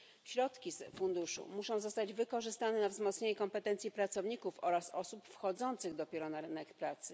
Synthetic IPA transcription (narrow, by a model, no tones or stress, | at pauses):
ɕɾɔt̪kʲisfund̪uʂṵmuʂɔ̃w̃zɔst̪ad͡ʑvɘkɔʐɘst̪anɛnavzmɔt̪sɲeɲɛkɔmpɛt̪ɛnt̪sʲjipɾat̪sɔvɲikufɔɾasɔsupfxɔd̪zɔnt̪sɘɣd̪ɔpʲjɛɾɔnaɾɘnɛkpɾat̪sɘ